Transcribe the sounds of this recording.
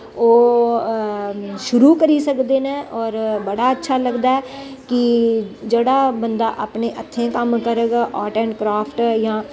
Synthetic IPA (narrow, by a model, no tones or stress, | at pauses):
oː | ʃʊɾuːkəɾiːsəkd̪eːnɛ̃ːʔɔːɾbəɽaːətːʃʰaːləɡd̪aːɛː | kɪd͡ʒeɽaːbənd̪aːʔapneːʔət̪ʰːẽːkəmkəɾəɡaʔɔːʈɛ̃ːɳʈkɾaːpʰʈjãː